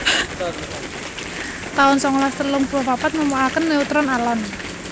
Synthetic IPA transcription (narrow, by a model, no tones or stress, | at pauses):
t̪aʊnsɔŋlast̪əlʊŋpuɾɔhpapat̪̚məmualkənːeut̪ɾɔnalɔn